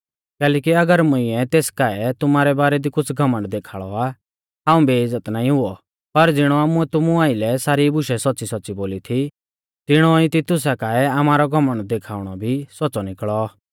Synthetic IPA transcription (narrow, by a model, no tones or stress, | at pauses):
kɛːlɛːkiɐɡəɾmʊ̃ɪ̃ɛt̪eːskaːɛt̪ʊmaːɾɛbaːɾɛd̪ikʊt͡sʰɡʱɐmə̃ɳʈd̪eːkʰaːɭɔaː | ɦaːũbeɪzːət̪naːĩɦʊɔ | pɐɾd͡zɪɽ̃ɔamʊɛt̪ʊmuaːɪlɛsaːɾibʊʃɛsɔtːsisɔtːsiboːlit̪ʰi | t̪ɪɽ̃ɔĩt̪it̪ʊs̬akaːɛɐmaːɾɔɡʱɐmə̃ɳɖ̚d̪eːkʰaːʊɽ̃ɔbʱisɔːt͡sɔnɪkɭɔaː